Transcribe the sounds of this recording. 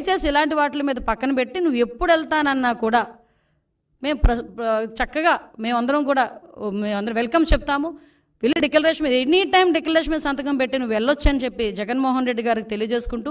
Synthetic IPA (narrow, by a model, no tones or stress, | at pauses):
ɐjt͡ʃe̞ːsiilaːɳʈiʋaːʈlɐmiːd̪ɐpɐkːɐnɐpe̞ʈːinuʋːue̞pːuɽɛlt̪aːnɐnːaːkuːɽaː | me̞ːmɾɐt͡ʃɐkːɐɡaːme̞ːmɐnd̪ɐɾɐmkuːɽaːmeːɐnd̪ɐɾʋelkɐmt͡ʃep̚t̪aːmu | ʋilːiɖeklɐɾeːʂɐmiːd̪enːiʈɐjmɖeklɐɾeːʂ̬ɐmiːd̪ɐsɐnt̪̬ɐkɐmpe̞ʈːinuʋːɛɭːɐt͡ʃːɐnit͡ʃe̞pːid͡ʒɛɡɐnmɔːɦɐnɾeɖːiɡaːɾikit̪elijɐd͡ʒe̞ːsu̥kuɳʈuː